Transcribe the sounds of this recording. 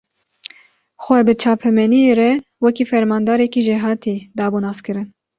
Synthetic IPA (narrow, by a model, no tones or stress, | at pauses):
xʷɛbɨt͡ʃʰɑːpʰɛmɛnieɾɛwɛkiːfɛɾmɑːnd̪ɑːɾɛkiʒeɦɑːt̪ʰid̪ɑːbunɑːskɨɾɨn